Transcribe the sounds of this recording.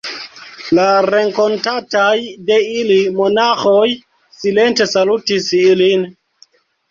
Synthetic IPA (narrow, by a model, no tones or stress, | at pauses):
laɾe̞ŋko̞ntatajdeilimo̞naxoj | silentesalutisilin